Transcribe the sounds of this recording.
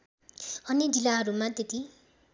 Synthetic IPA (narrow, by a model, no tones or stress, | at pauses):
ʌnid͡ʒilaɦʌɾumat̪et̪i